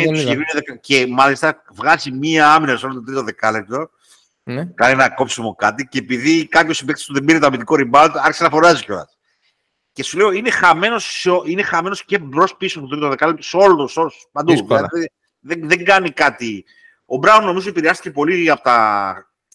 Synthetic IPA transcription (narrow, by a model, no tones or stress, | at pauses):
nt̪ssiɾineðekɐcemɐlist̪ɐ | vɣɐzimiɐɐminɐseo̞lot̪ot̪ɾit̪oðe̞kɐlep̚t̪o̞ | nkɐninɐko̞psimokɐt̪iceːpiðikɐp̪osib̪kse̥st̪uðebiɾeoɐmit̪iko̞ɾibɐlt̪ɐɾçesenɐfo̞ɾɐsioco̞lɐ̰s | ce̞sule̞oine̞xɐme̞no̞seoʔine̞xɐme̞no̞sce̞bɾo̞spisoput̪it̪ooðekɐlept̪oso̞lot̪solospɐnd̪uɐið | ðeðeŋɡɐnikɐt̪i | o̞bɾɐunno̞mizot̪ipiɾeɐst̪icepo̞liɐpot̪ɐ